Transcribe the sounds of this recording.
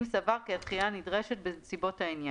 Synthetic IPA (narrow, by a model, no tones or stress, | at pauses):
msavaʁkiatχijanidʁeʃet̚besibo̞tainja